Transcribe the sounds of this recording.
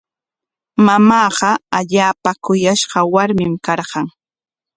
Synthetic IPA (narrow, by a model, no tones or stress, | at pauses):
mamɑːɢɑaʎaːpakʊjaʃɢɑwaɾmɪmkɑɾɢɑŋ